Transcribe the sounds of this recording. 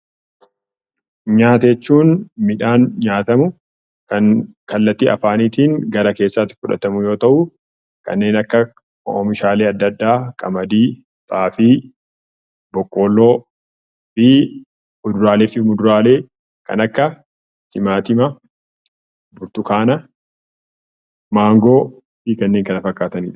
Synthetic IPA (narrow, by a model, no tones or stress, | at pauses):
ɲaːt̪ɛt͡ʃːuːnmɪᶑaːnɲaːt̪ɐmʊ | kɐnkɐlːɐt̪ːiɐ̰faːniːt̪iːŋɡɐɾɐke̞ːsːaːt̪ːɪ̥fʊᶑɐ̰t̪ɐmʊjo̞ːt̪ɐʔʊ | kɐ̰nːe̞ːnɐkːɐ | o̰mɪʃaːleːɐd̪ːɐd̪ːaːkʼɐmɐd̪iː | t̪ʼaːfɪ | bɔkʼːoːlːoː | fɪ | mʊd̪ʊɾaːleːfɪmʊd̪ʊɾaːle̞ː | kɐ̰nɐkːɐ | t̪ɪmaːt̪ɪmɐ | bʊɾt̪ʊkaːnɐ | maːŋɡoː | fikɐnːe̞ːŋkɐnɐfɐkːaːt̪ɐniːᶑɐ